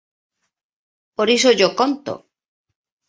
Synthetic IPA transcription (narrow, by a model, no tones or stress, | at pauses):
poɾisoʝokont̪o̰